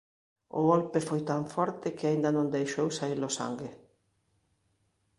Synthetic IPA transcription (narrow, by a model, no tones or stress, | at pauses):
ʊ̰ɣolpɪfɔjt̪aɱfɔɾt̪ɪkɪaind̪ɐnõnd̪ejʃowsailʊsa̰ŋɡɪ